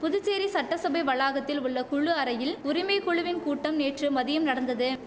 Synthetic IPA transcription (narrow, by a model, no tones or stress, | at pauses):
pʊðɯt͡ʃːeːɾisɐʈːɐsɐbɐɪʋɐɭaːɣɐt̪ːɪlʊɭːɐkʊɻɯɐɾɐjɪlʊɾɪmɐɪkɔɻɯʋɪnkuːʈːɐmneːʈrɯmɐðɪjɐmnɐɽɐnd̪ɐðɯ